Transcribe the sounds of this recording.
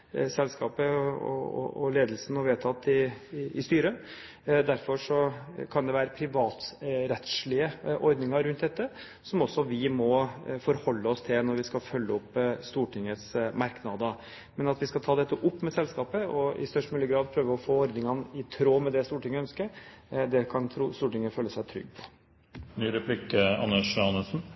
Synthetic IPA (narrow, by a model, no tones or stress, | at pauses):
sɛlskɑːpəɔ̰ɔ̰ɔ̰leːd̪əlsənɔʋeːt̪ʰɑt̪ːɪːst̪yːɾə | d̪æɾfɔʂɔkʰɑnd̪ɛʋæːɾəpʰɾɪʋɑːt̪ɾɛt̪ʂɭɪəʔɔɾd̪nɪŋɑɾɾʉnt̪̚d̪ɛt̪ːə | sɔmɔsːɔʋɪmɔfɔɾhɔlːəɔst̪ʰɪlnɔɾʋɪskɑfœlːəʊpːst̪uːʈʰɪŋːət̪smɑɾknɑd̪ə | mɛnɑt̪ʋɪskɑt̪ʰɑːd̪ɛt̪ːəʔʊpːmɛsɛlskɑːpəɔɪ̰st̪œʂʈmyləɡɾɑːd̪̚pʰɾøːʋəɾɔfoːɔɾd̪nɪŋɑnɪt̪ʰɾoːmɛd̪ɛst̪uːʈɪŋːəœnskəɾ | d̪ɛkʰɑnt̪ʰɾuːst̪uːʈɪŋːəføːlːəsæɪt̪ʰɾʏ̰ɡːpʰɔ̥ | nyːɾɛpʰlikəɑ̰nəʂɑnəsn̩